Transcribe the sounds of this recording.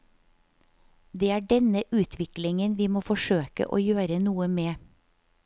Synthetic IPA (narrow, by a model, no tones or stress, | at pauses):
d̪eːæːɖɛnəʔʉːt̪ʰʋɪklɪŋənʋiːmoːfɔʃøːkə̰ʔo̰ːjøːɾənuːəmeː